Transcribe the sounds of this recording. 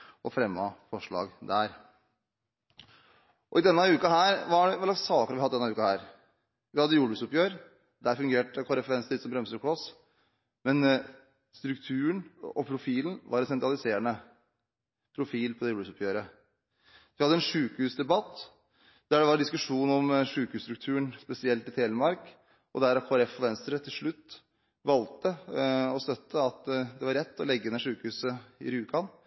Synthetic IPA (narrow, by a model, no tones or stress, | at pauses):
ʔɔfɾɛmːɑfɔʂɭɑ̰ːɡd̪æɾ | ʔɔɪd̪ɛnːɑʉːkɑɦæːɾʋɑæɖɛɛlɑɡsɑːkəɾɑʋɪhɑd̪d̪ɛnːɑʉːkɑhæːɾ | ʋɪhɑd̪ːəjuːɖbʉsɔpjøːɾ | d̪æɾfʉŋɡeːʈəkʰɔɾɛfəɾɛnsɪsɔmbɾɛmsəɾkʰɽɔs | mɛn | st̪ɾʉkt̪ʰʉːəɳɔpʰɾʊfiːlən̩ʋɑɾɛt̪sɛnt̪ɾɑlɪseːɾəɳə | pʰɾʊfiːlpʰɔd̪ɛbʉːsɔpʰjøːɾə | ʋɪhɑd̪əɛnʂʉːkhʉːsd̪ɛbɑt̪ː | d̪̥æɖɛʋɑɾɖ̪ɪskʉʂuːnɔmʂʉːkhʉːst̪ɾʉk̚t̪ʰʉːəɳspɛsɪɛlt̪ɪt̪ʰeːləmɑɾk | ɔd̪æɾɑkʰoːɛɾɛfɔʋɛnst̪əɾət̪ʰɪlʂɭʉt̪ː | ʋɑlt̪əɔst̪œt̪ʰːəɑt̪d̪ɛʋɑɾɛt̪ːɔlɛɡːd̪ɛnːɛʂʉːkəhʉːsəɪ̰ɾʉːkɑn